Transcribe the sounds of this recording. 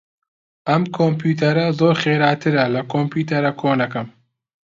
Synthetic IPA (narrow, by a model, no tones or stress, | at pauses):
ʔɐmkʰoːmpʰjuːt̪ʰɐɾɐzoːɾxeːɾaːt̪ʰɨɾɐlɐkʰoːmpʰjuːt̪ɐɾɐkʰoːnɐkɐm